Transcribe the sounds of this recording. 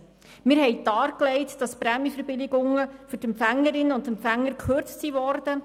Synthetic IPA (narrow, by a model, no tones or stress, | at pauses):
mɪːɾɦɛɪdɑːɾklɛɪtd̥ɑspɾæmifəɾbɪlɪɡʊŋəfyɾtɛmpfæŋːəɾɪnəʊndɛmpfæŋːəɾkʰχøɾt͡stsivɔɾd̥ə